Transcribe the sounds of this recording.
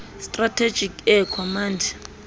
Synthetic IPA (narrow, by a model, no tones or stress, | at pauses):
stʼratʰe̥d͡ʒikʰɛkʰɔmandʱi